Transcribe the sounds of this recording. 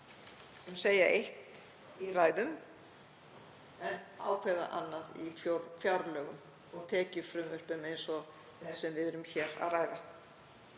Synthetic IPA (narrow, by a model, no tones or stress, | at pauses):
mseːjaʔejht̪ | iraːjðʏm | ɛnaːwkʰvɛða̰ʔa̰nːaðḭfjoɾfjawɾlœːɣʏm | ɔɣt̪ʰɛːcɪɾfɾʏmvœr̥pʏmejnsɔ | θɛsɛmvɪðɛɾʏmçɛːɾa̰ðraːjða